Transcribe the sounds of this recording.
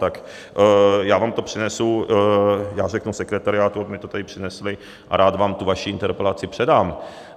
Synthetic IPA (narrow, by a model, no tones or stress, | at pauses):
t̪ak | jaːvaːmt̪opr̥ɪnɛsu | jaːrɛknusɛkɾɛt̪aɾɪaːt̪uabɪmɪt̪ot̪adɪpr̝̥ɪnɛslɪ | ʔa̰ɾaːd̪vaːmt̪uvaʃiɪnt̪ɛɾpɛlat͡sɪpr̝̥ɛdaːm